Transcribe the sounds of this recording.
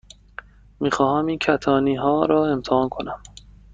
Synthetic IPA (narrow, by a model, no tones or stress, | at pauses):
miːxɒːɦæmincʰæt̪ʰɒːniːɦɒːɾɒːe̞mt̪ʰɛhɒːnkʰo̞næm